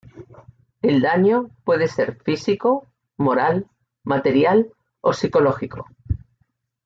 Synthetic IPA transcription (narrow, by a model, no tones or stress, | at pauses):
e̞ld̪aɲopwe̞ðe̞se̞ɾfisiko | mo̞ɾal | mat̪e̞ɾjal | o̞siko̞lo̞xiko̞